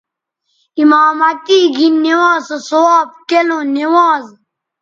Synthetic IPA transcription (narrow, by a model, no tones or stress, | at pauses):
imaːmɐt̪iːɡinːewãːsosowaːb̚kelõnewaːz